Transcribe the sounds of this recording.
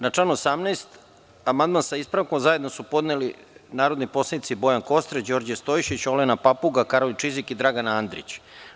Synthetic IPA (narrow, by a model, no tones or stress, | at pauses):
nat͡ʂlanuosamnast̪ | amand̪mansaispɾaʋko̞mzaje̞d̪no̞supo̞d̪neli | naːɾo̞d̪nipo̞sanit̪sibo̞jaŋko̞st̪ɾed͡ʑo̞ɾd͡ʑest̪ojʃit͡ɕo̞lenapapuɡakaɾolit͡ʃizikid̪ɾaɡanand̪ɾḭt͡ɕ